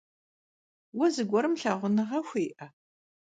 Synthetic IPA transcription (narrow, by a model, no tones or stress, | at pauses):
wɐzɨɡʷɔɾɨmɬaːʁʷʊnɨʁɐxʷeːʔɐ